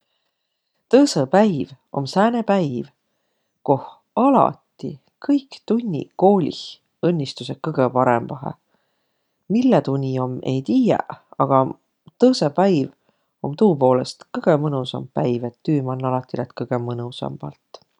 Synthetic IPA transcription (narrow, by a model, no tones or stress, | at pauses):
t̪ɤːsepæjv | o̞̰msæːnepæjv | ko̞h | ɑlɑ̰t̪ːi | kʰɤjkt̪unʲːḭko̞ːlʲḭh | ɤnʲːist̪use̞kɤɡ̥epɑɾḛmvɑɦḛ | milːet̪unʲio̞mʔe̞jt̪iːjḛɑɡ̥ɑ | t̪ɤːsepæjv | o̞mt̪uːpo̞ːle̞st̪kɤɡ̥emɤnusɑ̰mppæjvet̪ːyːmɑnːɑlɑt̪ːˑilet̪kɤɡ̥e̞mɤnusɑ̰mb̥ɑ̰lt̪